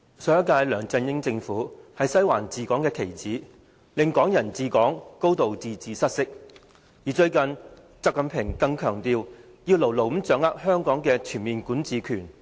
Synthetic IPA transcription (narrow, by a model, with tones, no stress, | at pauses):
sœː˧˥ɐ˥kaː˧jlœː˨˩ŋt͡sɐ˧njɪ˥ŋt͡sɪ˧ŋfuː˨˥hɐ˨jsɐ˥jwaː˨˩nt͡siː˨kɔː˨˥ŋkɛː˧kʰe˨˩jt͡siː˨˥ | lɪ˨ŋkɔː˨˥ŋjɐ˨˩nt͡siː˨kɔː˨˥ŋko˥wt̪o˨wt͡siː˨t͡siː˨sɐ˥t̚sɪ˥k̚ | jiː˨˩t͡ʃɵ˧ɥkɐ˨n | t͡sɐ˧˥kːɐ˧npʰɪ˨˩ŋkɐ˧ŋkʰœː˨˩ŋt̪iː˧w | jiː˧wlo˨˩wlo˨˩wm̩˨˥t͡sœː˨˥ŋaː˥k̚hœː˥ŋkɔː˨˥ŋkɛː˧t͡ʃʰyː˨˩nmiː˨nkuː˨˥nt͡siː˨˧kʰyː˨˩n